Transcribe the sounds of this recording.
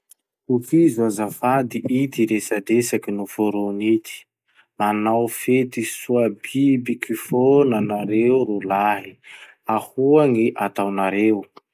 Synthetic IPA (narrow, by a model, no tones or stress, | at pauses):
ufizuazafad̪iʔit̪iɾesad̪esakinufoɾonit̪i̥ | manawfet̪isuabibikʰifonanaɾewɾolaɦi | ahuaŋiʔat̪awnaɾew